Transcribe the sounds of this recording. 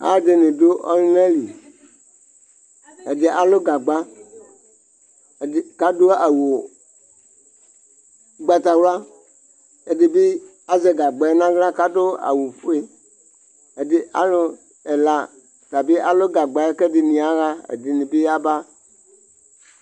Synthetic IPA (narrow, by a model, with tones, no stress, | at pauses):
a̰˦de˨nɪ̃˨do˦ʔɔ̰˦lle˦li˨ | e˨dɪ˨ʔa˨lo˦ɡa˨ɡ͡ba˦˨ | ka˦do˦a˨wo˨ | ɡ͡ba˨t̪a˨wla˦ | e˨de˨be˦ | a˦zɛ˨ɡa˨ɡ͡ba˨˦nã˦ɣla˦ka˦do˦a̰˨wu˨fu˦e˦ | e˨dɪ˨a̰˦lo˦ | ɛ˨la˨ | t̪a˨be˦ʔa˨lo˦ɡa˨ɡ͡ba˦kɛ˦dɪ˨nĩ˨a˨ɣa˦ḛ˨dɪ˨nɪ̃˨be˦a˦ba˦